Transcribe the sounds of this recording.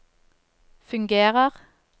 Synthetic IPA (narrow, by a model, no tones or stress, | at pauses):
fʉŋɡeːʁəʁ